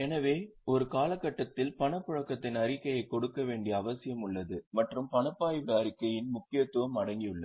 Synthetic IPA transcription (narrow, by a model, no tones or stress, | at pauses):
ɛnɐʋeːɔɾɯkaːlɐkːɐʈːɐt̪ːɪlpɐɳɐpːɯɻɐkːɐt̪ːɪnɐɾɪkːɐjɐɪkːɔɽɯkːɐʋeːɳɖɪjɐːʋɐsɪjɐmɯɭːɐðɯmɐʈrɯmpɐɳɐpːaːjʋaːɾɪkːɐjɪnmʊkːɪjɐt̪ːɯʋɐmɐɽɐŋɡɪjɯɭːɐ